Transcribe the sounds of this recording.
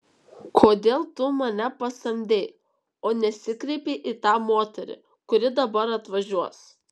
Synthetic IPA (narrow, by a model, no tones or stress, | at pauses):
kʰoːd̪ʲeːlˠt̪ʊmɐnʲɛpɐsɐmʲd̪ʲeɪ | oːnʲɛsʲɪkɾʲɛɪpʲeʔit̪ɑːmoːt̪ʲɛɾʲɪ̰ | kʊɾʲɪd̪ɐbɐɾɐt̪ʋɐʒʲuɔs